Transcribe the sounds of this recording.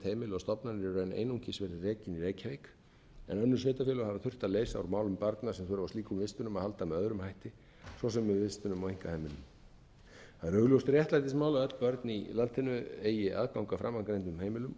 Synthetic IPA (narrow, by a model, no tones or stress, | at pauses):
t̪heːjmɪlɔst̪ɔpnanɾrœːjnʔḛːjnuŋcɪsvɛɾɪrɛːcɪnireːjcavejk | ɛ̰nœnːʏɾ̥svɛːt̪afjɛːlʏhavaθʏr̥t̪aðleːjsaa̰ɾmaːwlʏmpaɾt̪nasɛmθœːɾavat̪iːkʏmvɪst̪ʏnʏmaðhalt̪amɛðœðɾʏmhajht̪ɪ | svɔsɛmːɛðvɪst̪ʏnʏmɔeŋ̥kahejmɪlʏm | haðɾœɣljowst̪rjɛht̪lajt̪ɪsmaːwlaœt̪l̥pœɾt̪nilant̪ʰɪnʏeːjɪʔa̰ðkawŋkafɾa̰mːankɾejnt̪ʏmhejmɪlʏm